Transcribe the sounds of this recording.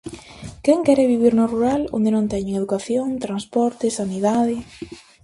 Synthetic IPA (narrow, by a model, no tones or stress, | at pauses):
kɛŋkɛɾeβiβ̞iɾnoruɾalo̰nd̪enõŋt̪ɛɲeŋeðukaθjoŋt̪ɾanspɔɾt̪ɪsaniðaðɪ